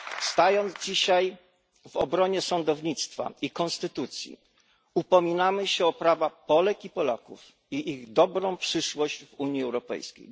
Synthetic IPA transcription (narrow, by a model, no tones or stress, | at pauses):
fst̪ajɔnd̪zd͡ʑiɕaj | vɔbɾɔɲɛsɔnd̪ɔvɲit̪st̪fa̰ikɔnst̪ɘt̪ut̪sʲjḭ | upɔmʲinamɘɕɛɔpɾavapɔlɛkipɔlakṵf | iʔiɣd̪ɔbɾɔ̃w̃pʂɘʂwɔʑd͡ʑvuɲjiɛwɾɔpɛ̰jskʲḛj